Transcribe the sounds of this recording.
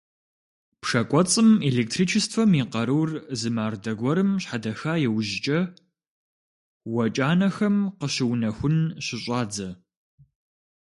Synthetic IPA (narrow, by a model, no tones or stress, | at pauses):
pʂɐkʷʼɔt͡sʼɨmeleːk̚tʰriːt͡ʃʰɪstfɐmiːqɐɾɨwrzɨmaːrdɐɡʷɔɾɨmɕħadɐxaːjɛwʑɪt͡ʃʼɐ | wɐt͡ʃʼaːnɐxɐmqəɕɪwnɐxʷʊnɕɪɕʷʼaːd͡zɐ